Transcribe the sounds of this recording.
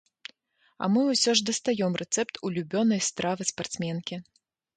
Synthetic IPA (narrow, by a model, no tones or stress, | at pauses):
ɐ̰mɨusʲɔʐd̪ɐst̪ajɔmrʔɛt̪sɛpt̪ʰulʲubʲɔnɐjst̪ɾavɨspart̪smʲɛnkʲi